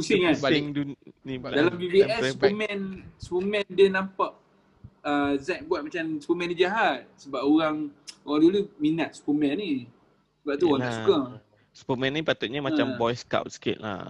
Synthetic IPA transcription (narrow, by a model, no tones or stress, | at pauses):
kusiŋanŋdunidalambibiɛssupəmɛ̃nsupəmɛ̃ndənãmpaʔ̚ | əzɛk̚buat̪̚mat͡ʃamsu̥pəmɛ̃ndid͡ʒaɦat̪̚səbapoɾaŋoɣaŋduluminat̪̚su̥pəmɛ̃nːi | səbaʔ̚t̪uoɣaŋasukə | su̥pəmɛ̃nːipat̪ʊt̪̚ɲamat͡ʃambɔjska̰wt̪̚sə̥kɪ̰t̪̚la̰